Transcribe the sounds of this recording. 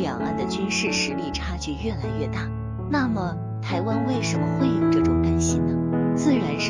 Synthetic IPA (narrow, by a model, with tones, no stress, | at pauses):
ljɑ˨˩ŋa˥˩nd̪ə˨t͡ɕy˥nʂɻ̩˥˩ʂɻ̩˧˥li˥˩ʈ͡ʂʰa˥t͡ɕy˥˧ɥɛ˥˩la˧˥ɪɥɛ˥˧t̪a˥˩ | na˥˩mə˩ | t̪ʰa˧˥ɪwa˥nwe˥˩ɪʂə˧˥nmə˧xwe˥˩ɪjo˨˩ʊʈ͡ʂɤ˥˩ʈ͡ʂʊ˨˩ŋt̪a˥nɕi˥nnə˨t͡sɹ̩˥˩ɻa˧˥nʂ